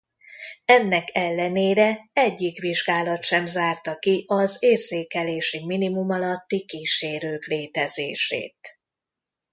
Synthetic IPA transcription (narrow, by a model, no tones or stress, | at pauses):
ɛnːɛkʰɛlːɛneːɾɛɛɟːikʋiʒɡaːlɒt̪ʃɛmzaːrt̪ɒkiʔɒzeːrzeːkɛleːʃiminimumɒlɒt̪ːikiːʃeːɾøːkleːt̪ɛzḛːʃḛːt̪